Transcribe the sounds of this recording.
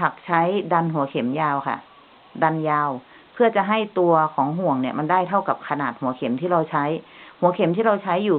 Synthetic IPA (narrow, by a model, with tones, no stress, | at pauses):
a˨˩k̚t͡ɕʰa˦˥jda˧nɦu˩˦ɐkʰe˩˦mjaː˧wkʰa̰˥˩ʔ | da˧njaː˧w | pʰɯ˥˩ɐt͡ɕa˨˩ʔɦa˥˩jt̪u˧ɐkʰɔː˩˦ŋɦu˨˩əŋni˧˩ɐma˧ndaː˥˩jt̪ʰa˥˩wka˨˩p̚kʰa˧naː˨˩t̪̚hu˨˩˦ɐkʰe˩˦mt̪ʰiː˥˩ɾa˧wt͡ɕʰa˦˥jhu˩˦ɐkʰe˨˩˦mt̪ʰiː˥˩ɾa˧wt͡ɕʰa˦˥jːuː˨˩